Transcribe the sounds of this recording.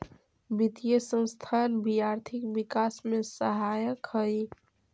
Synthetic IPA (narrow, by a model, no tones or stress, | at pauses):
bit̪ijesə̃w̃st̪ʰanbijaɾt̪ʰikbikasmesəɦajəkhəj